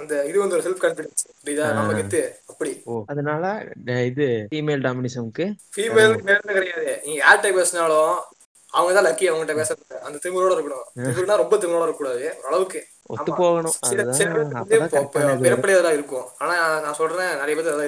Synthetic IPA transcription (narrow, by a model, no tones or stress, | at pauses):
ɐnd̪ɐɪðɯʋɐnd̪ɔɾɯsɛlfkɐnfɪɽɛnspɽid̪aːnɐmːɐɪt̪ːɯɐpːɐɽioɐðɐnaːlɐɪðɯfiːmeːlɖaːmɪnɪsɐmkːɯfiːmeːlmeːlnːɯkɪɽɐjaːðɯʔɪŋɡɐaːlʈːɐpeːsnaːlõ | ɐʋɐŋɡɐt̪ãːlɐkːiɐʋɐŋɡɐɪʈːɐpeːsɐɐʔɐnd̪t̪ɪɾɯmɡɯɾoːɽɐɪɾɯkːɐɳʊ̃ɪpɯɾɯnːaːɾɔmbɐt̪ɪɾoːɽɐɪɾkːuːɽaːðɯɾɐɭɐʋɯkːɯ | ɔ̰tɐmːɯpoːɣɐɳʊ̃sɪɾɐðaɯpopːɛɾɐpːɐɽɪjaːðɐlaːɪɾɯkːʊ̃aːnaːnãːsɔlrɐnenɐɾɐjɐpɐt̪ːɐlaː